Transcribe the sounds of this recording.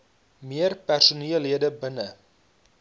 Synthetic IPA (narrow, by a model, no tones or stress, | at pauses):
miərpærsuniəlɦiədəbənə